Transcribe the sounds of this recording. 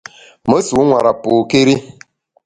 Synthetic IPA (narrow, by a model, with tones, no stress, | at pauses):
mə˦su˨˦ŋʷa˨ɾa˨po˨ke˦ɾi˦